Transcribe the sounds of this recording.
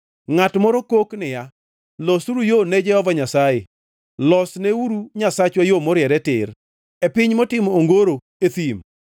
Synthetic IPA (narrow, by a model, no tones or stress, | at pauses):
ŋatmɔɾɔkoknɪja | lɔsuɾujonɛd͡ʒɛhɔvaɲasajḛ | lɔsneuɾuɲasat͡ʃwajomoɾjɛɾɛtɪ̰ɾ | epɪɲmɔtɪmɔoŋɡoɾo | et̪im